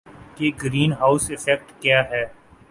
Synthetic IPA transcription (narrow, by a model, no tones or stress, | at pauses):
keɡɾiːnɦaːʊsɪfɛk̚ʈkjaːɦɛː